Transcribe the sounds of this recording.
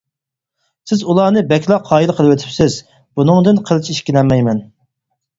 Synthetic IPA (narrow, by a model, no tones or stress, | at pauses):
sɪzulˠɑːnɨbɛkʲlˠɑqʰːɑːjilˠqʰəlˠɨwet̪ʰɪ̥psɪz | bunɨŋd̪ɨnqʰəlˠɨt͡ʃiʃkʲilɛnmɛjmɛn